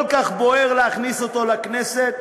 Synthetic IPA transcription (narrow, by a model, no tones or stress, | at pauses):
lkaχboeʁleaχnisot̪o̞lakneset̪